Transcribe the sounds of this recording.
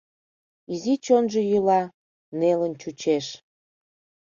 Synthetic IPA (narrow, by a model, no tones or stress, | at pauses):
izit͡ɕonʒə̽jylɑ | nelənt͡ɕut͡ɕeʃ